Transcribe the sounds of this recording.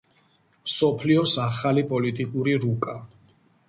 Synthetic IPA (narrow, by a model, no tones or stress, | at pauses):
msɔpʰliɔsaχalipʼɔlit̪ʼikʼuɾiɾukʼa